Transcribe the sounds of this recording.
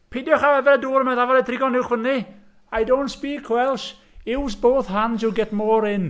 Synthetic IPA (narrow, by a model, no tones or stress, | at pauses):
pʰedjɔχaɛvɛɾəduːɾəmaðavɔɾətʰrɪɡɔnɪwχvəni | ajdowntspiːkʰwɛlˠʃ | ɪwsboːθɦansɪɡɛtmoːɾɪn